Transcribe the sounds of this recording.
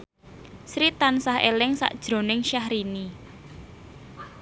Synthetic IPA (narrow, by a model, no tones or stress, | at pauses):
sɾit̪ansahḛlɪŋsa̰ʔd̥ʒ̥ɾo̤nɪŋʃahɾini